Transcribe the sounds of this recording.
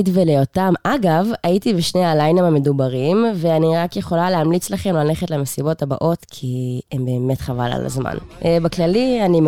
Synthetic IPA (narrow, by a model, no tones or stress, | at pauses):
tvelejotamʔaɡavaitibeʃnejalajnamame̞dubaʁimveaniʁakjeχo̞laleɦamlit͡slaχe̞mlaleχetleme̞sibo̞taba̰ʔo̞tkʰiembe̞ːme̞tχava̰la̰la̰zma̰nebaklalianim